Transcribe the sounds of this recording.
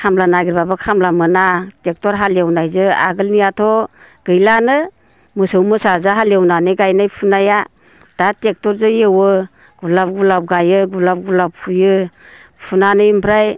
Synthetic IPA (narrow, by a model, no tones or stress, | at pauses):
kʰamlanaɡiɾbabakʰamlamɯnatek̚tɔɾɦaljewnajzɯa̰ɡɯlnijatʰɔ | ɡ̥ɯjlanɯ | mɯsɯwmɯsazaɦaljewnanɯɡajnajpʰunaja | d̥atek̚tɔɾzɯjewɯ | ɡ̥ulap̚ɡulap̚ɡajɯɡulap̚ɡulap̚pʰujɯpʰunanɯjimpʰɾaj